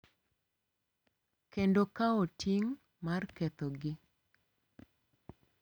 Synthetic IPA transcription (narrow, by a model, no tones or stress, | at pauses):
kendokaotiŋ | market̪ɔɡɪ